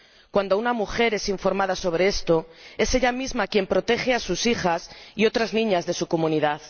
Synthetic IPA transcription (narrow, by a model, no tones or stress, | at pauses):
kwand̪ounamuxe̞ɾe̞siɱfo̞ɾmað̞aso̞β̞ɾe̞est̪o̞e̞seʎamizmakje̞mpɾo̞t̪e̞xeasusixasio̞t̪ɾaznĩɲazðe̞sukomũniðað